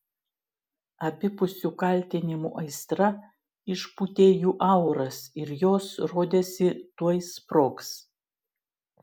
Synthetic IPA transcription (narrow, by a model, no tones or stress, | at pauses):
ɐpʲɪpʊsʲukɐlʲt̪ʲɪnʲɪmṵːʔɐɪst̪ɾɐ | ɪʃput̪ʲeːjuːʔɐˑʊɾɐsɪɾjoːsɾoːd̪ʲeːsʲɪt̪uɔjspɾoːks